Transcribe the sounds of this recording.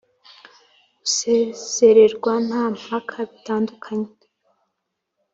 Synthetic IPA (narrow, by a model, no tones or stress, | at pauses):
ɡusez̥e̞ɾe̞ɾɡwan̥haːm̥akʰaβitaːndukʰaɲe